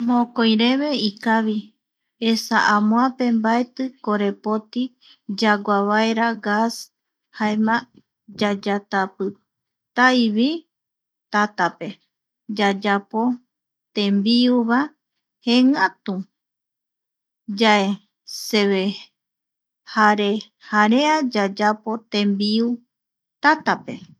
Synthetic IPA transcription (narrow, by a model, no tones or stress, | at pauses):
mõkojɾe̞βe̞ikaβi | esaʔãmõãpe̞mbaet̪ɨkoɾe̞pot̪i | d͡ʒaɡʷaβaeɾaɡas | haemã | d͡ʒad͡ʒat̪apɨ | t̪ajβi | t̪at̪ape̞ | d͡ʒad͡ʒapo̞ | t̪ẽmbiuβa | heŋãt̪ũ | d͡ʒae | se̞βe | haɾe̞ | haɾead͡ʒad͡ʒapo̞t̪ẽmbiu | t̪at̪ape̞̰